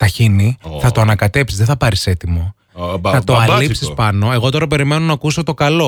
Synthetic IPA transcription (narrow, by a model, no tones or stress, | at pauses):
t̪ɐçiniθɐt̪oɐnɐkɐt̪e̞psizðeθɐpɐɾise̞t̪imo̞ | θɐt̪o̞ɐlipsispɐno̞e̞ɣo̞t̪o̞ɾɐpe̞ɾime̞no̞nɐːkuso̞t̪o̞kɐlo̞